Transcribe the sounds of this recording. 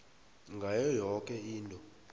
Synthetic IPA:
ŋɡʱajɔjɔkʼɛiːntʼɔ

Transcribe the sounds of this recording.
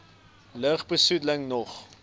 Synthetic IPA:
ləːχbəsudləŋnɔχ

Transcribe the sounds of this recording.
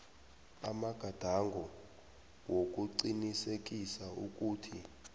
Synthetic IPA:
a̰maɡ̥ʱad̥ʱaŋɡʱɔ | wok̬ʼuǀinisek̬ʼisauk̬ʼuːtʰi

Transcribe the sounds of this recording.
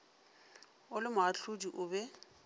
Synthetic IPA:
ʊlɪmʊɦaɬʊdiʔʊːbɛ

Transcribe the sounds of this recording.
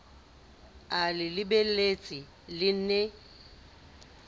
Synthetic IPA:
alɪlɪbelet͡sʼɪ | lɪne

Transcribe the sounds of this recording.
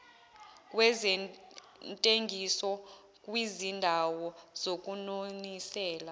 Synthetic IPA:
kʼwɛzɛ | ntʼeŋɡʱisɔ | kʼwizindʱawɔzok̬ʼunonisɛːla

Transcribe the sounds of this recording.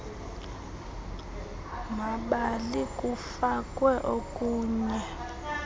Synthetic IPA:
maɓalikʼufakʼwɛʔokʼuːɲɛ

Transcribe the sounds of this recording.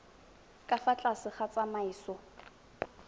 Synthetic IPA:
kʼafat͡ɬʼasɪχat͡sʼamaiːsɔ

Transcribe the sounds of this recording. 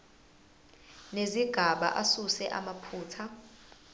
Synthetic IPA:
neziɡ̥ʱaɓa̰ʔasusɛʔamapʰuːtʰa

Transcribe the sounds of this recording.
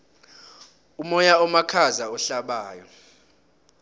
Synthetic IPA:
umɔjaɔmakʰazaɔɬaɓaːjɔ̰

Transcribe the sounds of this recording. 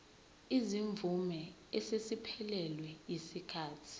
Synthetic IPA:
iziɱvumɛ | ɛsesipʰɛlɛlwɛjisikʰaːtʰi̥

